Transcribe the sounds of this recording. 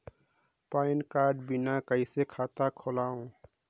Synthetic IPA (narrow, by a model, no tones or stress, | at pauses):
paːɪnkaːɖbɪnakəisekʰaːt̪akʰolaːũ